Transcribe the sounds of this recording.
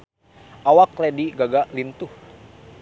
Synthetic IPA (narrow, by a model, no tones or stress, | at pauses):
ʔawaklɛdiɡaɡalint̪uh